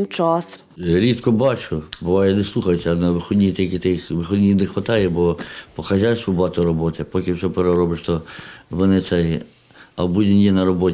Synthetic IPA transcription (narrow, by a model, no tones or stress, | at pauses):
t͡ʃɑs | ɾʲit̪kɔbɑt͡ʃʊbʊʋɑjɛneslˠuxɐjsʲɐnɐʋɪxɔdʲnʲijt̪ekʲɪt̪ɪxʋɪxɔd̪ʲnʲinexʋɐt̪ɑjɛbɔpɔkɐʒʲasʊbɑt̪ʊɾɔbɔt̪ɪpɔkʲɪwsɛpeɾɔɾɔbɪʃt̪ɔʋɔnɪt̪sɛj | ɐbudʲɪnʲjinɐɾɔbɔtʲ